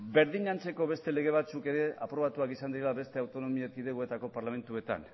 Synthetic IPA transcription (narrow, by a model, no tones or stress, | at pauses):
be̞ɾðiɲant͡se̞ko̞βe̞st̪e̞le̞ɣ̞e̞β̞at͡suke̞ɾe̞a̰pɾo̞βat̪uakisand̪iɾelaβe̞st̪e̞awt̪o̞no̞miek̪iðeɣoe̞t̪ako̞paɾlame̞nt̪ue̞t̪a̰n